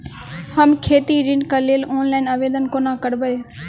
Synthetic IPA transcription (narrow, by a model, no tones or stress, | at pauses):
həmkʰeːt̪iːɾɪnkəleːloːnlaːɪnəʋeːd̪ənkoːnãːkəɾbəeː